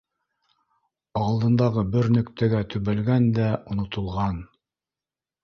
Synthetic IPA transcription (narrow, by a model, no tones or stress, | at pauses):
ɑlˠd̪ɤ̆nd̪ɑʁɤbɘɾnɵ̆kt̪æɡæt̪ʉβælɡænd̪æʔŏnŏt̪ŏlˠʁɑn